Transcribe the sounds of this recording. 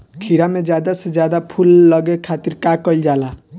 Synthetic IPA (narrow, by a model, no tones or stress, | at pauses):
kʰiɾamed͡ʒjad̪ased͡ʒjad̪apʰulːʌɡekʰat̪iɾkakɔild͡ʒala